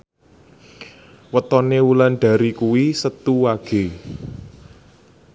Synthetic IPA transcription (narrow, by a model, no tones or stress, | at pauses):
wət̪ɔnewulanɖ̥a̤ɾikuwisət̪uwaɡ̥e̤